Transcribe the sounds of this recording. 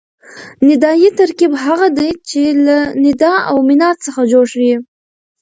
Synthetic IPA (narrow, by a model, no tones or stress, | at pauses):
nɪd̪ɑjit̪aɾkibɦaɣad̪ajt͡ʃelanɪd̪ɑa̰wmɪnɑɾt͡səxad͡ʒoɽʃwi